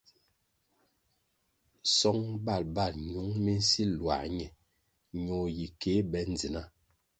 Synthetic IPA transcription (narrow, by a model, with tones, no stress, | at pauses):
sɔ˦ŋba˦˨lba˦˨lɲu˨˦ŋmi˦n̩˦si˦lwa̰˨ɲɛ˨ | ɲo˨ji˨ke˨˦bɛ˦n˨d͡zi˨na˦